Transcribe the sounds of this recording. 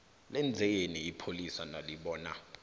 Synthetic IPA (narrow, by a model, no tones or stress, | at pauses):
lɛnd͡zʱɛjeniipʰolisanaliɓɔːna̰